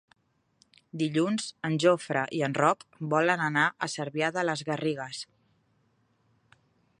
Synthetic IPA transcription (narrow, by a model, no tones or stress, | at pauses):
d̪iʎunzənʲʒofɾəʔiənrɔkbɔlənənaʔəsəɾβjaðələzɣəriɣ̞əs